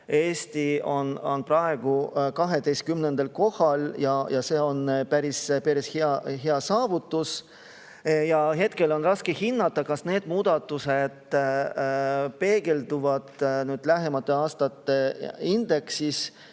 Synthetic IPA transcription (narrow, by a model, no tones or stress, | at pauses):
e̞ːst̪io̞no̰nprɑeɡ̥ukɑɦe̞d̪ejst̪kymnend̪̥elko̞hɑljɑjɑse̞ːo̞npæɾispeɾisheɑɦeɑsɑːvut̪ːˑus | jɑɦe̞t̪ke̞lo̞nrɑskehinːɑt̪ˑːɑkɑsne̞ːd̪̥muːd̪ɑt̪ːˑused̪̥ | pe̞ːɡ̥e̞ld̪̥uvɑd̪̥nyːd̪̥læɦemɑt̪ːˑe̞ɑːst̪ɑt̪ːˑe̞ind̪̥e̞ksis